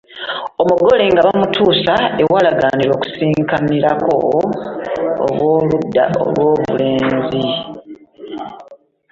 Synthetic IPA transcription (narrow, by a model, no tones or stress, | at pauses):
o̞muɡo̞le̞ŋɡaβamutʰuːsae̞walaɡaːniɾo̞ːku̥siːŋkamiɾako̞̰ | lwoːludao̰lwoːβuleːnzi